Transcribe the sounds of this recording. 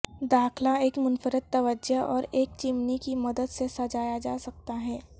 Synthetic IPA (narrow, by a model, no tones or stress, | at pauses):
d̪aːxlaeːkmʊnfəɾət̪ːɐʋəd͡ʒəɔːɾeːk̚t͡ʃɪmnikimɐd̪əd̪sesɐd͡ʒaːjad͡ʒaːsɐk̚t̪aɦɛː